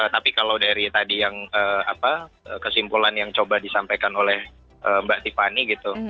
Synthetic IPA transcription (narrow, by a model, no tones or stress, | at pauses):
ət̪apikalawdaɾit̪adijaŋəːa̰pa | əːkəsimpulanjaŋt͡ʃobadisampajkanolɛh | ʔəːmbaʔt̪ifaniɡit̪u